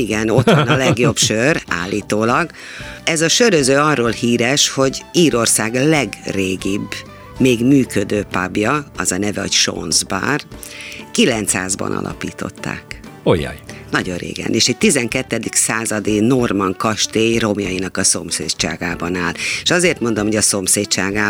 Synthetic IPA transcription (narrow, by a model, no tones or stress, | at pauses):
iɡɛno̞t̪ʋɒnɒlɛɡjo̞bʃøra̰ːlːiːt̪oːlɒɡ | ɛzɒʃøɾøzøːɒrːoːlhiːɾɛʃho̞ɟiːɾo̞rsaːɡlɛɡreːɡib | meːɡmyːkød̪øːpabjɒɒzɒnɛvɛocʃo̰nzba̰ːrkilɛnt̪sa̰ːzbɒ̰nʔɒ̰lʔɒ̰pḭːt̪o̞̰t̪ːa̰ːkojɒ̰jnɒɟo̞rrḛːɡɛ̰neːʃɛɟ̚t̪izɛŋkɛt̪ːɛd̪iksaːzɒd̪ino̞rmɒŋkɒʃt̪eːjro̞mjɒjinɒkɒso̞msḛːt̪t͡ʃa̰ːɡaːbɒnaːleʃɒzeːrt̪mo̞nd̪omhoɟɒso̞mseːtt͡ʃaːɡaː